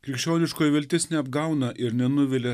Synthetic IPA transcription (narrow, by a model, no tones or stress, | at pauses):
kʲɾʲɪkʃʲt͡ʃʲoːnʲɪʃkoːjʋʲɛlʲt̪ʲɪsnʲɛɐbɡɐʊnɐʔɪɾnʲɛnʊʋʲɪlʲɛ